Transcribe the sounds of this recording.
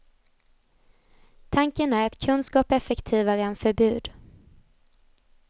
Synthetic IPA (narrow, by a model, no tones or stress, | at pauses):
t̪ʰaŋkənæɾɛt̪kʰɵnskɑːpɛfɛkt̪ʰiːvaɾəɛnfœɾbʉ̟ːd̪